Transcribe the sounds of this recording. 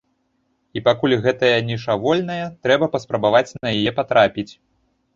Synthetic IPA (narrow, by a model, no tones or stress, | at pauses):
ipakulʲɣɛt̪ɐjɐnʲɛʂavɔlʲnɐjɐt̪ɾɛbɐpɐspɾɐbavat͡sʲnɐjajɛpat̪ɾapʲit͡sʲ